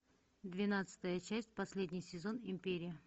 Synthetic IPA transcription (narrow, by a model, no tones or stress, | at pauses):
d̪vʲɪnat̪sɨ̥t̪əjət͡ɕæsʲtʲpɐsʲlʲedʲnʲɪjsʲɪzo̞nɪmʲpʲeɾʲɪjə